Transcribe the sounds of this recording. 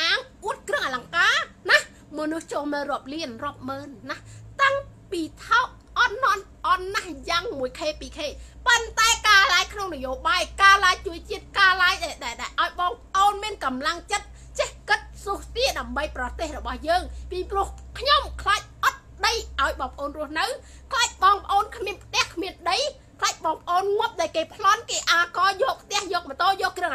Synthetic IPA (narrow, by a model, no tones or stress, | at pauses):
ʔaːŋʔuət̪̚krɨəŋʔalaŋkaːnah | mɔnuht͡ɕoːlmɨːlrŏəp̚liənrŏəp̚məːnːaht̪aŋpiːt̪ʰaɔk̚ʔɑt̪̚nŏən | ʔɑt̪̚nahjaːŋmuəjkʰeːpiːkʰeːpont̪aɛkaːlaːjkʰnoŋnəjoːɓaːjkaːlaːjt͡ɕuəj̚t͡ɕiət̪̚kaːlajɗaɛlɗaɛlɗaɛlʔaɔjɓɑːŋpʔoːnmiənkɑmlaŋt͡ɕət̪̚ | t͡ɕɛhkɨt̪̚suːhsiəɗaəmɓəjprɑt̪eːhrɔɓɑhjəːŋpiːprŭəhkʰɲomkʰlaːc̚ʔɑt̪̚ɗəjʔaɔjɓɑːŋpə̆ʔoːnrʊ̆əhnɨw | kʰlaːc̚ɓɑːŋpə̆ʔoːnkʰmiənpʰt̪ɛ̆əhkʰmiənɗəj | kʰlaːc̚ɓɑːŋpə̆ʔoːnŋŭəp̚ɗaɔjkeːpʰlŏnkeːʔaːkɑːjɔːpʰt̪ɛ̆əhjɔːk̚mət̪ɔːljɔːkːrɨəŋʔ